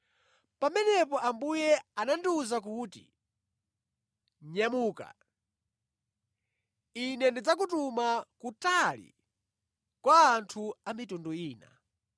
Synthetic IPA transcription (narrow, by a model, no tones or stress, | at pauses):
pamɛnɛpɔambujɛanandiuzak̬utḭ | ɲamuːka̰ | inɛndid͡zak̬utumakutalḭ | kwaːntʰuamitunduiːna̰